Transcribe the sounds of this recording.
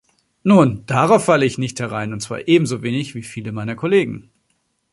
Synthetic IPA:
nuːnd̥aʁaʊfːaləɪçnɪçthɛʁaɪnʊntt͡sv̥a̰ːɐʔeːbm̩zoveːnɪçv̥iːfiːləmaɪnɐkʰoleːɡŋ̩

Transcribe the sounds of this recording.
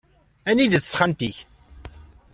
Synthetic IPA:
æniðəsːχænt̪iç

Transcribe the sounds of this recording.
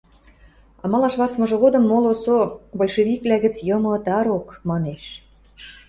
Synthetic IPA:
ɑmɑlɑʃβɑt͡smɤ̆ʒɤ̆ɣod̪ɤ̆mːolosobolʲʃeβiklæɣɘ̆t͡sjɤ̆mɤ̆t̪ɑɾokmɑneʃ

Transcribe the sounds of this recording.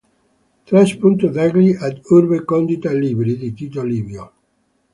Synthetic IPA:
t̪ɾɛspunt̪uðɛɡliʔad̪uɾbekɔnd̪it̪aliːbɾid̪it̪it̪oliːbjo

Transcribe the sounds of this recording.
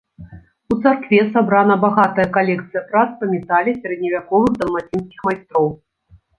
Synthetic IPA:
ut̪sarkvʲɛsabɾanɐbaɣat̪ɐjɐkalʲɛkt̪sɨjɐpɾat̪sɐmʲɛt̪alʲisʲaɾɛd̪ʲnʲivʲakɔvɨɣd̪ɐlˠmat͡sʲinskʲixmajst̪ɾɔw

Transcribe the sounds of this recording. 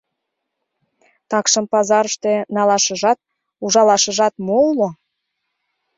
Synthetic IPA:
t̪ɑkʃəmpɑzɑɾəʃt̪e̽nɑlɑʃəʒɑt̪̚ | uʒɑlɑʃəʒɑt̪molo

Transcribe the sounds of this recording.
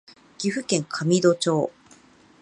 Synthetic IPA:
ɡ̥ʲiɸɯ̟kẽ̞ŋkʰamʲid̪o̞t͡ɕo̞ː

